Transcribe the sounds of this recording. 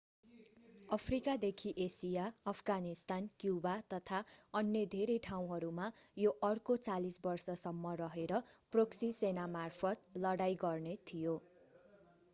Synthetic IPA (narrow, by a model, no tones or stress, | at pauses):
ʌpʰrikad̪ekʰiʔesijaʌpʰɡanist̪ankjubat̪ʌt̪ʰaʌnːjed̪ʱeɾejʈʰaw̃ɦʌɾumajoʔʌrkot͡salisbʌrsʌsʌmːʌrʌɦeɾʌproksisenamarpʰʌt̪̚lʌɽajɡʌrnet̪ʰijo